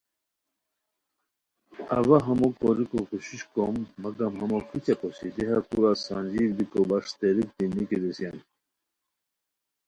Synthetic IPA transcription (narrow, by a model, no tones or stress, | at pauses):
ɐ̰vaɦɐmokoɾikokuɕiɕkomːɐɡɐmɦɐmokʰit͡ɕeposid̪iɦakuɾasand͡ʑiːɾb̪ikobɐʂt̪eɾik̚d̪inikid̪isjan